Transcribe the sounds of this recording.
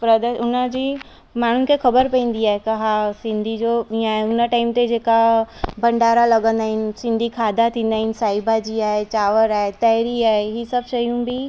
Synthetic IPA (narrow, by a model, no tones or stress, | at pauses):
pɾɐd̪əʊnəd͡ʑiː | maːɳ̤ʊnɪ̆kʰexɐbəɾpɐ̃ĩːn̆d̪iaːɦekɐɦasɪ̃nd̪ʱid͡ʑoːĩaːɦeʊnəʈaːɪmt̪ed͡ʑeːkabɐ̃ɳɖaːɾalɐɡə̃nd̪aːɦɪnɪ̆sɪ̃nd̪ʱikʰaːd̪at̪ʰĩːnd̪aːɦɪnɪ̆saːɪbad͡ʑiaːɦet͡ɕaːʋəɾaːet̪ɐɪɾiaːɦeɦiːsɐbʃɐjũbʱi